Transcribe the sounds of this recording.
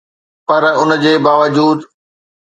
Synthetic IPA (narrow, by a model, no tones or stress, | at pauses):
pɐɾʊnd͡ʑeːbaːʋəd͡ʑuːd̪